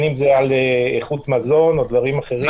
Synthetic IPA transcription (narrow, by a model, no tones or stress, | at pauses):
nimzealeeχut̪mazo̞no̞d̪vaʁimaχe̞ʁi